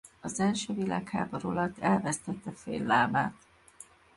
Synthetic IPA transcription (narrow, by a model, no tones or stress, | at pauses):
ɒzɛlʃøːvila̰ːkha̰ːboɾolɒt̪ɛlvɛst̪ɛt̪ːɛfḛːlːaːbaːt̪